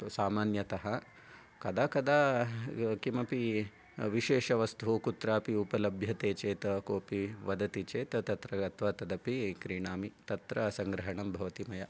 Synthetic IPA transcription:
saːmaːnjɐt̪ɐɦɐ | kɐd̪aːkɐd̪aː | kimɐpi | ʋiʃeːʃɐʋɐst̪uɦukut̪ɾaːpiupɐlɐbʱjɐt̪eːt͡ʃeːt̪ɐkoːpiʋɐd̪ɐt̪it͡ʃeːt̪ɐt̪ɐt̪ɾɐɐt̪ʰʋat̪ɐd̪ɐpikɾiɳaːmit̪ɐt̪ɾɐsɐŋɡɾɐɦɐɳɐmbʱɐʋɐt̪imɐjɐ

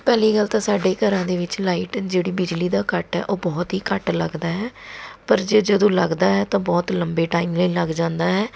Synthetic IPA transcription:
pɛːliːɡəlt̪ãːsaːɖeːkəɾãːd̪eːʋɪt͡ʃlaːiːʈd͡ʒeːɽiːbɪd͡ʒliːd̪aːkəʈɛ̰ːʔoːbɔːt̪ɦiːkəʈləɡd̪aːɦɛːpəɾd͡ʒeːd͡ʒəd̪õːləɡd̪aːɦɛːt̪ãːbɔːt̪ləmbeːʈaːimləiləɡd͡ʒãːnd̪aːɦɛː

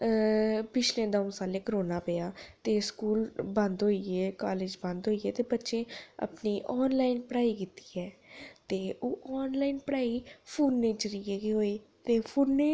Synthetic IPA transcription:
pɪt͡ʃlẽːd̪ɔʊ̃saːleːkəɾoːnaːpejaːt̪eːskuːlbə̃nd̪ɦoːieːkaːleːd͡ʒbə̃nd̪ɦoːiɛːt̪eːbətːʃẽːə̰pniːʔɔːnlaːɪnpəɽaːiːkɪt̪i̥ːɛːt̪eːoːʔɔːnlaːinpəɽaːiːpʰuːnːeːt͡ʃəɾiɛːkiɦoːiː | t̪eːpʰuːnːeː

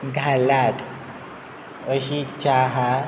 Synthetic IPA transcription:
ɡʱalat̪ʰ | əɕit͡ɕaɦa

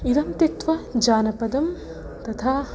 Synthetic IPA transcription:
iɾɐmt̪et̪ʋɐd͡ʒaːnɐpɐd̪ɐm | t̪ɐt̪ʰaː

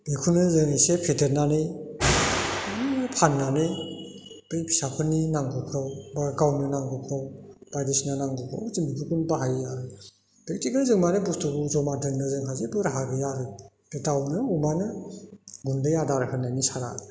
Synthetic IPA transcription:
bekʰunɯzɯŋasepʰedɯɾnanɯj | pʰanːanɯj | bɯjpʰi̥sapʰɯnːinaŋɡukʰɯwbaɡawnɯnaŋɡukʰɯwbajdesinanaŋɡupʰa̰wzimbibuɡunbaɦajjaɾɯ | pek̚tikalzɯŋmanɯbustuɡuzɔmadɯndɯzɯŋɦazebɯɾaɦaɡɯjaɾɯj | etawnɯumanɯ | ɡundɯjadaɾɦɯnːajnisaɾa̰

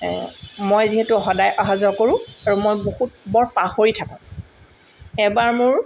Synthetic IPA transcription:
mojziɦetʊxɔdajʔaɦazɔkoɹʊ̃aɹumojbohut̚bɔɹpaxoɹitʰakã | ɛbaɹmʊɹ

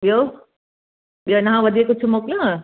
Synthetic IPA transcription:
ɓijoː | ɓijonɐɦãʋɐd̪ʱiekʊt͡ʃʰumoːklõ

